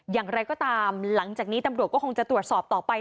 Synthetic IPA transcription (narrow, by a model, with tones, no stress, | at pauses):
jaː˨˩ŋɾa˧jkɔː˥˩t̪aː˧mla˩˦ŋt͡ɕaː˨˩k̚niː˦˥t̪a˧mɾu˨˩ət̪̚kɔː˥˩kʰo˧ŋt͡ɕa˨˩t̪ɾu˨˩ət̪̚sɔː˨˩p̚t̪ɔː˨˩pa˧j